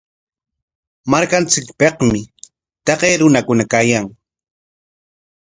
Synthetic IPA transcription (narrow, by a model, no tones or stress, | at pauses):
maɾkant͡sɪkpeqmɪ | t̪ɑqeːɾʊnakʊnakaːjaŋ